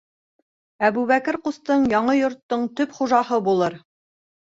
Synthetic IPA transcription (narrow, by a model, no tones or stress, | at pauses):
æβuβækɘɾqust̪ɤɴjɑɴɤjŏɾt̪ːɤɴt̪ɵpχuʒɑhɤbulˠɤɾ